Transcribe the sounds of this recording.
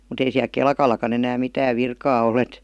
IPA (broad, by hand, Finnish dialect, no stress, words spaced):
mut ei siæl kelkɑlˑɑkɑn enæːm mitæːʋ ʋirkɑː ol et